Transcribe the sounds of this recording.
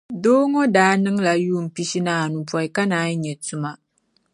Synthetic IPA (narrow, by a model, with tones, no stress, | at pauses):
doː˦ŋɔ˦daː˦nɨ˦ŋla˨juː˦˨m̩˨pi˦ʃi˦naː˦˨nu˨pɔ˨˦i˨ka˦naː˦ɲɛ˨tu˦ma˦